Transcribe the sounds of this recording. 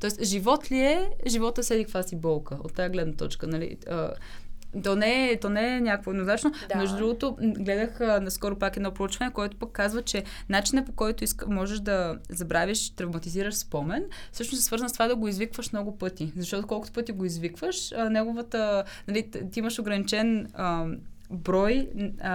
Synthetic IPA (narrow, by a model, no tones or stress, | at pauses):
t̪ɔɛst̪ʒivɔt̪liɛʒivɔt̪əsɛd̪ikvasibɔlˠkəo̰t̪ːajəɡlɛd̪nɐt̪ɔ̰t͡ʃkənɐlḭ | ə | t̪ɔnɛt̪ɔnɛnʲakvoɛd̪nozat͡ʃnomɛʒd̪ʊd̪ɾuɡot̪oɡlɛd̪əxnɐskɔɾopakɛd̪nɔpɾout͡ʃvɐnɛkoɛt̪ʊ̥pəkːazvət͡ʃɛ | nat͡ʃinəpokɔjt̪ʊiskmɔʒɛʃd̪ɐzɐbɾaviʃt̪ɾɐvmɐt̪iziɾəʃspɔmɛnfsɤʃnosɛsvɤɾzənsovad̪ɐɡoizvikvəʃmnɔɡʊpɤt̪izɐʃt̪ɔt̪okɔlˠkʊt̪opɤt̪iɡoizvikvəʃənɛɡovət̪ənɐlit̪iiməʃoɡɾɐnit͡ʃɛnə | bɾɔj